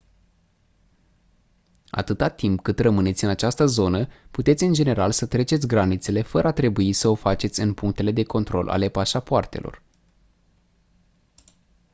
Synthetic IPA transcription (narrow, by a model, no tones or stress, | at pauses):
a̰t̪ɨt̪at̪impkɨt̪rəmɨne̞t̪sʲɨnat͡ʃast̪əzo̞nəput̪et̪sʲɨnd͡ʒe̞ne̞ɾalsət̪ɾe̞t͡ʃe̞t̪sʲɡɾanit̪se̞le̞fəɾəat̪ɾe̞buisəo̞fat͡ʃe̞t̪sʲɨnpuŋk̚t̪e̞le̞d̪e̞ko̞nt̪ɾo̞̰lʔa̰le̞paʃapoart̪e̞lo̞̰r